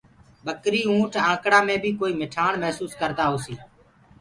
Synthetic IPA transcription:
bəkɾiːũːʈʰãːkɽaːmẽːbʱiːkoːiːmɪʈʰaːɳmɛɦsuːskəɾd̪aːɦoːsiː

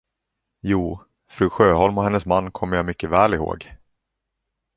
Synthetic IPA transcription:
juː | fɾʉːɧøːɦɔlmɔhɛnːəsmanːkʰɔmːəjamʏkːəvɛːlɪho̰ːɡ

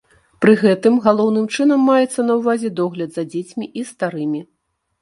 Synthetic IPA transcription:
pɾɨɣɛt̪ɨmɣalˠɔwn̪ɨmt͡ʂɨnɐmːajɛt̪sːɐnɐwvazʲɛd̪ɔɣlʲɐd̪zɐd͡zʲet͡sʲmʲiʔist̪aɾɨmʲi

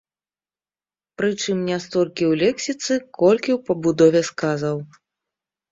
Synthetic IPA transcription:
pɾɨt͡ʂɨmnʲast̪ɔlʲkʲiwlʲɛksʲit̪sɨkɔlʲkʲiwpɐbud̪ɔvʲɛskazaw

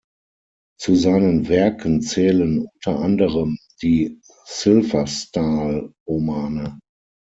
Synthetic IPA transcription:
t͡suzaɪnənvɛɐkʰənt͡sɛːlənʊntʰɐʔandəʁəm | d̥iː | sɪlvɐstaːlʁomaːnə

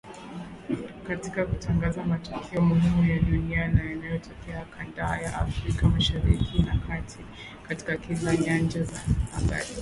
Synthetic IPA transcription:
katikakutaŋɡazamatukʰɛɔmuhimujaɗunianajanajɔtɔkɛakʰandajaʔafɾikamaʃaɾikʰinakʰatʰi | kati̥kakilaɲand͡ʒazaha̰ɓa̰ɾi

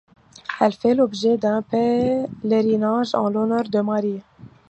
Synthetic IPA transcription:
ɛlfɛlɔbʒed̪ɛ̃pɛleɾinaʒɑ̰̃lɔnœʁd̪əmaɾi

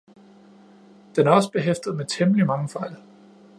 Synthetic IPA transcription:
d̥enæɐɒ̽səb̥e̝ɦefd̥ð̞̩ˠmet͡sʰeməlimɑ̈ŋəfɑ̈ɪ̰l

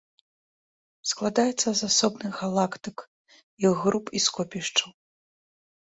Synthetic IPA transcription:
sklˠad̪ajɛt̪sːɐzasɔbnɨxɣalˠakt̪ɨk | iɣːɾupiskɔpʲiʂt͡ʂɐw

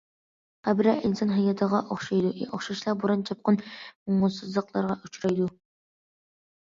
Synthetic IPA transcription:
æbɾɛʔilsɑnɦɑjɑt̪ʰəʁɑʔoχʃɑjd̪uɛ̰ʔoχʃɑʃlˠɑbuɾɑnt͡ʃʰɑp̚qʰɑnmʊŋʊlˠsɨzlˠəqlˠɑɾʁɑʔyt͡ʃʰɾɑjd̪u

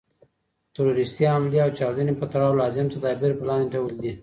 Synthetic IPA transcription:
t̪aɾoɾɪst̪iamliawt͡ʃɑwd̪ənepət̪aɽɑwlɑzɪmt̪ad̪ɑbiɾpəlɑ̃nd̪eʈawəld̪i

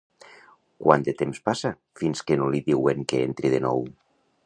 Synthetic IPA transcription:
kwa̰nd̪et̪emspasa | finskenoliðiweŋkeḛnt̪ɾiðenɔ̰w

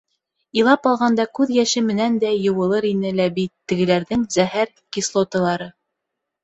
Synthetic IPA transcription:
ilˠɑpɑlˠʁɑnd̪ɑkʉðjæʃɘmɘ̆nænd̪æjɤ̆wɤ̆lˠɤɾinɘlæbit̪ːɘ̆ɡɘ̆læɾðɘŋzæhæɾ | kislˠot̪ɤ̆lˠɑɾɤ

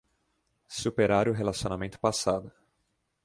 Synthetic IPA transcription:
supeɾaɾʊɦelasionamẽnt̪ʊ̥pasad̪ʊ

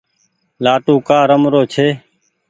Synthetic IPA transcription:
laːʈuːkaːɾəmɾoːt͡ʃʰeː

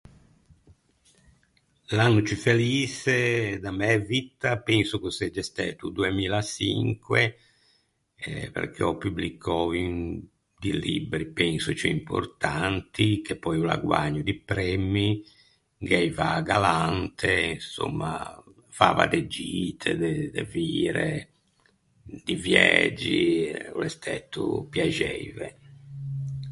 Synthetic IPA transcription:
lanːut͡ʃifeliːsed̪amɛvit̪ːapɛnsukusɛd͡ʒːɛst̪ɛːt̪ud̪uemiːlasḭŋkwe | pḛɾkɛɔpublikʰːɔːvin | d̪ilḭbɾipɛnsut͡ʃɛimpʰo̰ɾt̪ant̪ʰikʰepːɔjula̰ɡwaɲːud̪ipɾɛmːi | ɡɛjvaɡalant̪ʰɛinso̰mːa | faːva̰d̪ed͡ʒit̪ʰɛd̪ɛd̪ɛviːɾɛ | d̪ivjɛd͡ʒiulɛst̪ʰɛt̪ːupjad͡ʒɛjvɛ

